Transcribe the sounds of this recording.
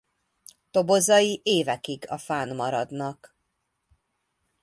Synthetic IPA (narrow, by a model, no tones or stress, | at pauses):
t̪o̞bo̞zɒjiʔeːvɛkiɡɒfaːnmɒɾɒd̪nɒk